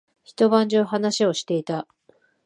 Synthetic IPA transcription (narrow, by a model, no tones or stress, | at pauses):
çi̥t̪o̞βãɲ̟d͡ʑoɦanaɕio̞ɕi̥t̪e̞it̪a